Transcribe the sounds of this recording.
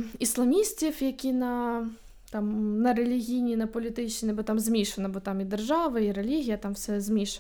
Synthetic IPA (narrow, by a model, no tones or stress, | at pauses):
islˠɐmʲisʲtʲifjɐkʲinɐ | t̪amnɐɾɛlʲiɣʲijnʲinɐpɔlʲit̪ɪt͡ʃ̪ʲɛbɔt̪amzʲmʲiʂɐnɐbɔt̪amid̪ɛrʐaʋɐiɾɛlʲiɣʲijɐt̪amwsɛzʲmʲiʂɐ